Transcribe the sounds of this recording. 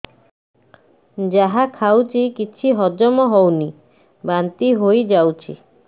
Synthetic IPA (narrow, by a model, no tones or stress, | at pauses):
d͡ʒaɦakʰawt͡ʃʰikit͡ʃʰiɦɔd͡ʒɔmɔɦɔwni | bant̪iɦojd͡ʒawt͡ʃʰḭ